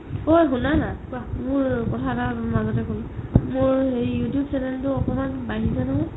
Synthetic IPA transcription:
ojɦunanakamʊɹkɔtʰatamazɔtɛkolmʊɹɦeɹijutijub̚sɛnɛltʊɔpɔmanbaɦizanaʊ̃

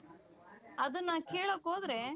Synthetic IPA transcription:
ɐd̪ɐnːɐkeːɭokːɦoːd̪ɾe

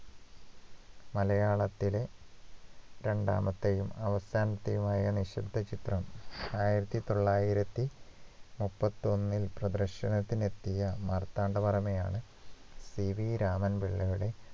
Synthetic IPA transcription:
mɐlɐjaːɭɐt̪ːile̞ | ɾe̞ɳɖa̰ːmɐt̪ːejumɐʋɐsaːnɐt̪ːejumaːjɐniɕɐb̪d̪ʱːɐt͡ɕit̪rɐmaːjiɾɐt̪ːit̪o̞ɭːaːjiɾɐt̪ːi | mupːɐt̪ːio̞nːilprɐd̪ɐrɕɐnɐt̪ːine̞t̪ːijɐmɐrt̪ːaːɳɖɐpɐrɐmɐjaːɳɨ | siʋiɾaːmɐnbiɭːɐɣiɽe̞

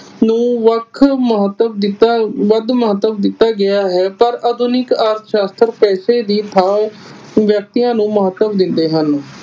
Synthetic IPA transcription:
nũːʋəkʰməɦət̪ːəbd̪ɪt̪aʋəd̪məɦət̪ːəbd̪ɪt̪ːaːɡɪaːɦɛːpəɾad̪ʊnɪkaːɾt̪ʰʃaːst̪əɾpɛːseːd̪iːt̪ʰaː | ʋjək̚t̪ijãːnũːməɦət̪ːəbd̪ɪnd̪eːɦən

